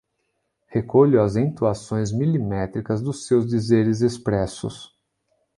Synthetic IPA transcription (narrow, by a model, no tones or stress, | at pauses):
hekoʎʊɐzẽt̪uasõj̃zmilimɛt̪ɾikɐzd̪ʊsːewzd̪izeɾɪzespɾɛsʊ̰s